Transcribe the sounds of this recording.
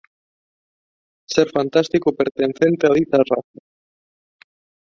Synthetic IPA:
seɾfant̪ast̪ikopeɾt̪enθent̪eaðit̪araθa

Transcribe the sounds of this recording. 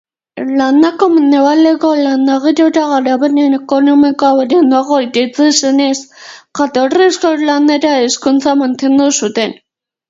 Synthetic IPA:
lanːakomeneβaleɣolanːaɣeɾoɾaɣaɾaβenenekonomikaoɾenuaɣoidet͡seseneskat̪oreskolaneɾaeskunt͡samant̪end̪usut̪en

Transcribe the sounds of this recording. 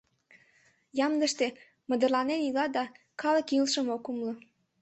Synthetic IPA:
jɑmd̪əʃt̪e | mə̆d̪ərlɑnenilɑd̪ɑ | kɑlə̆kilʃəmokumlə

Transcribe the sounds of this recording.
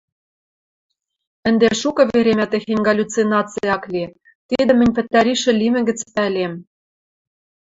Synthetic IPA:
ɘ̆nd̪eʃukɤ̆βeɾemæt̪ĕxenʲɡɑlʲut͡sinɑt͡sɨjɑkli | t̪id̪ɘ̆mɘ̆nʲpɘ̆t̪ːæɾiʃɘ̆limɘ̆ɡɘ̆t͡spælem

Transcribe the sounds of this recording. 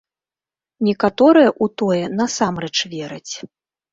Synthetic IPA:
nʲɛkat̪ɔɾɨjɐʔut̪ɔjɛnɐsamrɛt͡ʂvʲɛɾɨt͡sʲ

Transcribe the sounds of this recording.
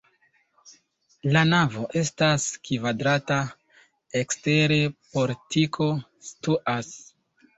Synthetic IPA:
lanavo̞ʔe̞staskivadɾata | ekste̞ɾe̞po̞ɾtʰikʰo̞ | stuʔas

